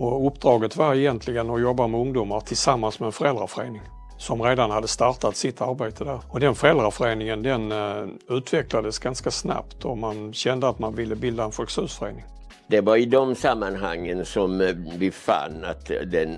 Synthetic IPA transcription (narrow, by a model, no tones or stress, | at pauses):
ɔɵpːd̪ɾɑːɡət̪vaɾɛjɛnt̪ʰlɪɡənɔjɔbːamɛɵŋd̪uːmaɾʈ̪ʰɪlsamːansmɛɛnfœɾɛld̪ɾafœɾeːnɪŋ | sɔmɾeːd̪anhad̪ːəst̪aɾt̪at̪sɪt̪ʰːaɾbeːt̪ʰəd̪æɾɔd̪ɛnfœɾɛld̪ɾafœɾeːnɪŋənd̪ɛn | ʉ̟ːt̪vɛklad̪əsɡanskasna̰pt̪ɔmanɕɛnd̪əat̪manvɪlːəbɪld̪aɛnfœlksʉ̟ːsfœɾḛːnɪŋ | d̪ɛvaɾɪd̪ɔmsamːanɦa̰ŋːənsɔmbɪfa̰nːa̰t̪d̪ɛn